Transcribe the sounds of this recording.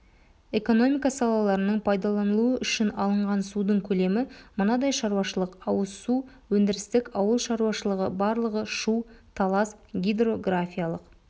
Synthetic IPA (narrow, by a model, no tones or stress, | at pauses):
e̞ko̞no̞mijkɑsɑlˠɑlˠɑɾənəɴpʰɑjd̪ɑlˠɑnəlˠuəʔʏʃɪnɑlˠəɴʁɑnsud̪əɴkʲʰɵle̞mɪmənɑd̪ɑjʃɑɾuwɑʃəlˠəqɑwəzsu | wɵnd̪ɪɾɪst̪ɪkɑwəlˠʃɑɾuɑʃəlˠəʁəbɑɾlˠəʁəʃut̪ʰɑlˠɑsɡʲid̪ro̞ɡrafʲijalˠəq